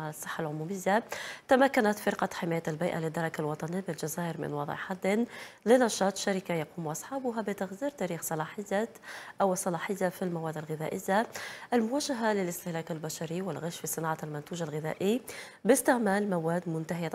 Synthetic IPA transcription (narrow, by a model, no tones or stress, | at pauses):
ʕsˤːɨ̥ħːalʕʊmuːmɪjːat̪amakːanat̪fɪɾqɑħɪmaːjalbijʔalɪd̪ːɑɾˤɑkalwɑt̪ˤɑnijːbɪlʒazaːʔɪɾmɪ̰nwɑd̪ˤʕ̰ħad̪ːnlɪnɑʃɑːt̪ˤʃaɾɪkajɑquːmʔɑsˤħɑːbʊɦabɪt̪aɣziːɾt̪æːɾiːxsˤɑlɑːħɪjːa | ʔawsˤːɑlɑːħɪjːafilmawæːd̪alɣɪðæ̰ːʔɪjːaʔɪlmʊwaːʒːaɦalɪlɪst̪ɪhlæːkɪlbaʃɑɾiwɪlɣaʃfisˤɨnɑʕalmʊnt̪uːʒalɣɪðæ̰ːʔɪj | bɪst̪ɪʕmæːlmawæːd̪mʊnt̪aɦɪja